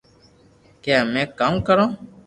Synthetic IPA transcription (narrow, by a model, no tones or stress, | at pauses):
kãmɛ̃kamkəɾɔ̃